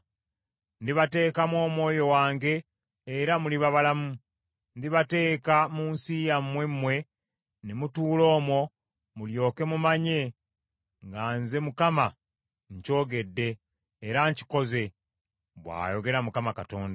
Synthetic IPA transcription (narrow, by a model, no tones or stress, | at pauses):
ndiβate̞ːkamwo̞ːmwo̞ːjo̞waːŋɡe̞ː | ɾamuliβaβalamu | ndiβate̞ːkamuːnsijamːwe̞mːwe̞ | nemutuːlo̞ːmwo̞ | muljo̞ːke̞mumaɲe̞ | ŋɡaːnze̞mukama | ɲco̞ːɡe̞dːe̞ː | ɾaɲci̥ko̞ze̞ | βwa̰ːjo̞ɡe̞ɾamukamakato̞ːnda